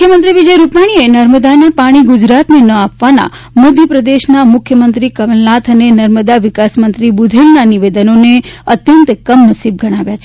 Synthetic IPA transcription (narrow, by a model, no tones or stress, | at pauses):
kʰjəmənt̪ɾiʋid͡ʒəjɾupaɽ̃ienəɾməd̪anepaɽ̃iɡud͡ʒɾat̪nenəapʋana̰ | mod̪ʱjəpɾəd̪eʃnamʊkʰjəmənt̪ɾikəʋəlnat̪ʰənenəɾməd̪aʋɪkasmənt̪ɾibud̪ʱelnaniʋed̪ənoneət̪jənt̪kəmnəsib̚ɡʱəɽ̃aʋjat͡ʃʰe